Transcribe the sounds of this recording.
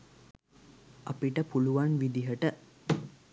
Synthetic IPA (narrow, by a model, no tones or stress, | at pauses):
ʔa̰piʈəpuluʋanʋid̪iɦəʈə